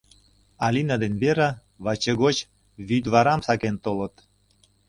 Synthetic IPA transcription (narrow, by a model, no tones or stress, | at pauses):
ɑlʲinɑd̪enβeɾɑ | βɑt͡ɕeɣot͡ɕ | βyd̪βɑɾɑmsɑkent̪olət̪